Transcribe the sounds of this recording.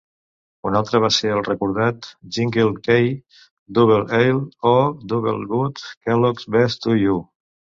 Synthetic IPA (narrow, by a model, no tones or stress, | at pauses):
unalˠt̪ɾəβ̞aseəlˠrəkuɾð̞at̪ʒiŋɡəlkej | d̪uβelˠejlod̪uβḛlˠɣut̪kɛlɔkzβɛst̪uiu